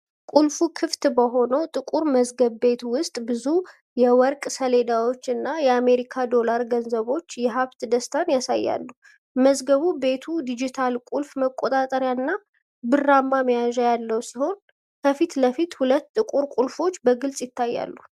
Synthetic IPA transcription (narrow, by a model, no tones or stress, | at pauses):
kʼulfukʰɨft̪bəɦo̞nəwt̪ʼɨkʼuɾməzɡəβbe̞t̪wʊst̪ʼbɨzu | jɛwɔɾkʼsəle̞d̪awo̞t͡ʃːɨnːajɛame̞ɾikʰad̪o̞laɾɡənzəβo̞t͡ʃːjɛɦaβt̪d̪əst̪ʰanjasa̰jːa̰lːu | məzɡəβube̞t̪ʰud̪id͡ʒit̪ʰalkʼulfməkʼːot̪ʼat̪ʼəɾjaɨnːa | bɨrːamːaməjaʒajalːəwsiho̞n | kʰəfit̪ləfit̪hulət̪ːʼɨkʼuɾkʼulfo̞t͡ʃːbəɡɨlsʼjɪt̪ʰːajːa̰lːu